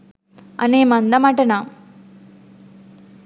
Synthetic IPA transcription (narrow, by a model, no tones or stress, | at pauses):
ɐ̰neːmɐnd̪ɐmaʈɐnam